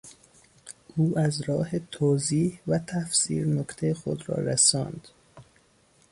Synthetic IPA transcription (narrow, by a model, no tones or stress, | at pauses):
ʔuːʔæzɾɒːhe̞t̪ʰoːziːhvæt̪ʰæfsḭːɾnokt̪ʰejexo̰d̪ɾɒ̰ːɾæsɒ̰ːnd̪̥